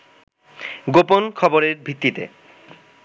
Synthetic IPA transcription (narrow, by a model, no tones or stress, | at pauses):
ɡoponkʰɔboɾeɾbʱit̪ːit̪ḛ